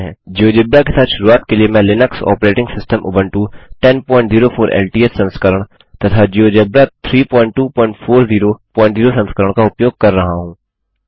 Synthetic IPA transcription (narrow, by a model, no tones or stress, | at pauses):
ɦɛ̰̃ːd͡ʒioːd͡ʒebɾakesaːt̪ʃʊɾuaːt̪keliemɛ̃ːlɪnəksɔ̰ːpɾeːʈɪ̃ŋɡsɪsʈəmʔʊ̰bənʈuʈɛnpɔ̃ːɪ̃ɳʈziːɾofʰoːɾʔɛ̰ːlʈiːessɐ̃nskəɾəɽ̃ | t̪ɐt̪ʰad͡ʒijod͡ʒebɾat̪ʰɾiːpɔːɪ̃ɳʈːuːpɔːɪ̃ɳʈfʰoːɾziːɾopɔ̃ːɪ̃ɳʈziːɾosɐ̃nskəɾəɽ̃kaʊpjoːɡ̚kɐɾːɐɦaɦũː